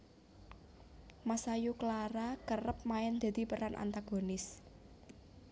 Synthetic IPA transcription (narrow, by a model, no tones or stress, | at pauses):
masajukəlaɾakərəp̚maɛnd̪̥a̤d̪̥i̤pəɾanʔa̰nt̪aɡ̥o̤nɪs